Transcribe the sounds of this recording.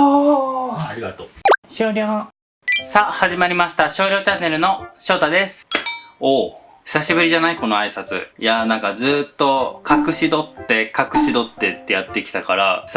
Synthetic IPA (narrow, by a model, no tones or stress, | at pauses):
it̪ɕoːɾʲjoː | sahaʑimaɾʲimaɕi̥t̪aɕo̞ːɾʲo̞ːt͡ɕanːe̞ɾɯ̟no̞ɕo̞ːt̪ad̪e̞sɨ̥oː | çi̥saɕibɯ̟ɾʲiʑanaiko̞no̞aisat͡sɨ̰janãŋkazɨːt̪ːo̞kʰakɯ̟ɕid̪o̞t̪ːe̞kakɯ̟̥ɕid̪o̞t̪ːe̞t̪ːe̞jat̪ːe̞kʲi̥t̪akaɾa